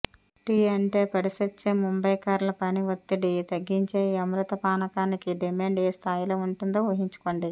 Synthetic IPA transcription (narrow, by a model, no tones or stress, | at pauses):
ʈiːɐɳʈe̞ːpɐɽisɐt͡ʃːeːmumbɐjkaːɾlɐpɐniʋɐt̪ːiɖit̪ɐɡːiɲt͡ʃeːɐmɾut̪ɐpaːnɐkaːnikiɖimaːɳɖeːst̪ʰaːjilo̞ːuɳʈund̪oːʋɐɦiɲt͡ʃu̥koːɳɖi